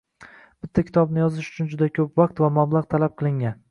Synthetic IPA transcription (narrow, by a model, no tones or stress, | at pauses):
b̥ɪt̪ʰːakʲʰɪ̥t̪ʰɒbnɪjɒzɪʃʊ̥t͡ʃʰʊnd͡ʒʊd̪akʰʲɵpvaq̚t̪vamablˠɑʁt̪ʰalap̚qʰɨlˠɪŋan